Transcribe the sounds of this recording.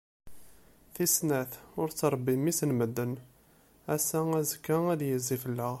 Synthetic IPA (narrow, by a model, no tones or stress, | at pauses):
θisnæθʊɾt͡sːɾˤəbːimisənməd̪ːən | æsææzəkːaæðjəzːifəlːə